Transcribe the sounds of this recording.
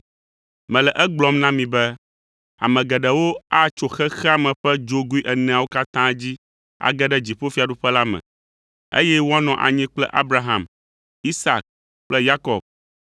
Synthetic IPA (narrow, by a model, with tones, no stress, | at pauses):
mɛ̃˨lɛ˨ʔɛ˦ɡ͡blɔ˦mnã˦mĩ˨bɛ˦ | a̰˨mɛ̃˨ɡɛ˨ɖɛ˨wo˦a˦t͡ʃo˨xɛ˦xɛ˦a˨mɛ̃˨ɸɛ˦d͡ʒo˦ɡu˦i˦ʔɛ˨nɛ̃˨a˨wo˦ka˦t̪ã˦d͡ʑi˦ | a̰˨ɡɛ˦ɖɛ˦d͡ʑi˨ɸo˦fi˦a˨ɖu˦ɸɛ˦la˦mɛ̰̃˨ | ḛ˦jɛ˦wo˦a˦nɔ̃˨ʔa̰˨ɲɛ̃˦k͡plɛ˦ʔa˦bɾa˦ɦã̰˨m | i˦sa̰˨k̚ | k͡plɛ˦ja˦kɔ˨b̚